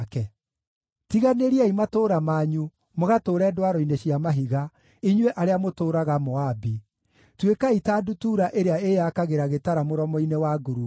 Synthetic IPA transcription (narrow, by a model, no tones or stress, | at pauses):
kɛ | tiɣaneɾiaimatoːɾamaːɲu | moɣatoːɾɛdwaɾɔineɕiamaɦiɣa | iɲweʔaɾeamotoːɾaɣamɔabi | twekaitadutuːɾaʔeɾeaejakaɣeɾaɣetaɾamoɾɔmɔinewaɡuɾu